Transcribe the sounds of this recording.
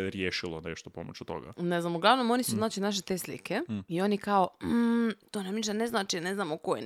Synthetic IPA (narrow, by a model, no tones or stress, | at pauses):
ɾjeːʃilˠoneʃt̪opo̰mo̰t͡ɕut̪o̰ɡa̰neznamuɡlˠaʋnomo̞nisuznaːt͡ɕinaʃ̬et̪e̞ːslḭkʰeio̞nekaot̪oːnamniʃt̪ane̞znaːt͡ʃineznaːmokojḛ